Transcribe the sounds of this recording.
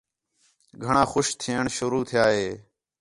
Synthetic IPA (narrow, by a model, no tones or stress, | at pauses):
ɡʱəɳãːxʊʃt̪ʰiːəɳʃʊɾuːt̪ʰɪjaːɦeː